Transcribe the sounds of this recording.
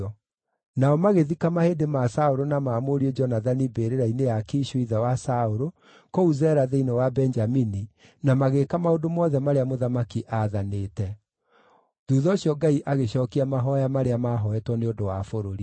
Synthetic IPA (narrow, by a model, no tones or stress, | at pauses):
naɔmaɣeðikamahedemasaoɾonamaːmoɾied͡ʒɔnaðanibeɾeɾainejakeʃwiðawasaoɾo | kouzɛːɾaðeinɔwabɛnd͡ʒamini | namaɣekamaodomɔðɛmaɾeamoðamakiʔaðaneːtɛ | ðuːðɔɕiɔɡaiʔaɣeɕɔːkiamaɦɔjamaɾeamaɦɔɛtwɔneodowafoɾoɾi